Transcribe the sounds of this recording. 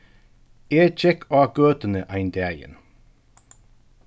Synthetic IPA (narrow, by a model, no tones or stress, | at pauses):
eːt͡ʃɛkʰɑːɡ̥øːt̪ənəʔæɪnd̪æːjə̰n